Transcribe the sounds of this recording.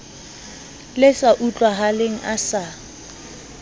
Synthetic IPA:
lɪsaʔut͡ɬʼwaɦaleŋ̩ʔasa

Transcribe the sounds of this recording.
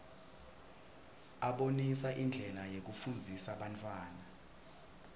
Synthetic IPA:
aɓonisaʔind͡ɮʱɛlajek̬ufund͡zʱisaɓantʰʼwaːna

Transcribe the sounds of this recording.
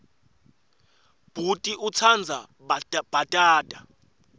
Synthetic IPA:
b̥ʱutʼiʔut͡sʰand͡zʱa | b̥ʱatʼaːd̥ʼa

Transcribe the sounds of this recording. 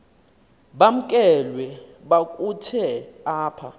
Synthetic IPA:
ɓam̩kʼɛlwɛ | ɓakʼutʰɛaːpʰa̰

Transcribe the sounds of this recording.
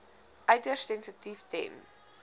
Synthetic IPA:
ʔɐɥtərsɛnsətiftɛ̰n

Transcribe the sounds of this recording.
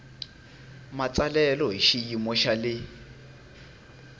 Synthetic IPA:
mat͡sʼalɛlɔɦiʃiimɔʃalɪ

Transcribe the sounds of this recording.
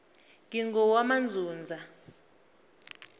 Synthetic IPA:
ŋiŋɡɔwamand͡zʱuːnd͡zʱa

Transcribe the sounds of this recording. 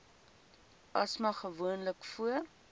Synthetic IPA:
ʔɐsmɐχəvuənləkfuər

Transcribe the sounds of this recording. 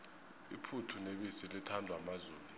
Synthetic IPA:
ḭpʰutʰuneɓisilitʰandʱwamazuːlu

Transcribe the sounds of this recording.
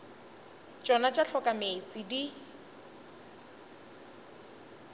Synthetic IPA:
t͡ʃʼɔnat͡ʃʼaɬʰɔkʼamet͡sʼidi

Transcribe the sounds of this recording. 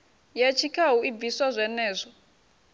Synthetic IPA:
jet͡ʃʰikʰaɦuib̪visazʷɛnɛːzʷɔ

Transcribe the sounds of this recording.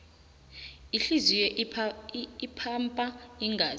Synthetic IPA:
iɬizijɛʔ | ipʰampʼaiŋɡaːz

